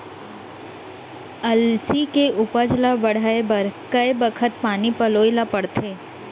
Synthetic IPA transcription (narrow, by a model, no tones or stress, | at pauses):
ɐlsikeʔʊpəd͡ʒlabɐɽ̤aːebɐɾkɐjbəkʰət̪̚paːnipɐloːjlapɐɽt̪ʰeː